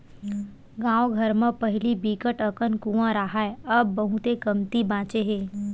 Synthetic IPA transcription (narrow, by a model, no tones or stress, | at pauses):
ɡãːoɡʱəɾmə̃pɐɦɪlibiːkəʈəkənkũʋãɾaɦaeɐbːɐɦũt̪ekəmt̪ibãːt͡ʃeɦeː